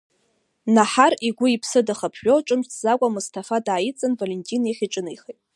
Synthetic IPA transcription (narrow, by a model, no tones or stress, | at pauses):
naħariɡʷʊipʰsɨdaχapʰħʷᶣoʈ͡ʂʼɨmt͡sʰzakʷʼamustʰafadaːjit͡sʼanvalentʼineχʲiʈ͡ʂʼɨnɨjχejtʼ